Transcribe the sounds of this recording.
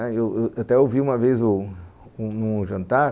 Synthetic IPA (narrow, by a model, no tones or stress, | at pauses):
ɛewewat̪ɛowviũmɐvezʊunũʒɐ̃nt̪aɾ